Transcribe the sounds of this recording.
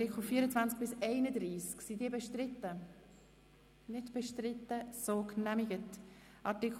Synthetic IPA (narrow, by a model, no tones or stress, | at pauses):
tɪkχl̩fiəɾət͡svant͡sk̚b̥ɪsɛɪnəd̪ɾiːsksidiəbɛʃtrɪtːə | nɪdb̥ɛʃtrɪtːəsoːknɛmiɡət | ɑtɪk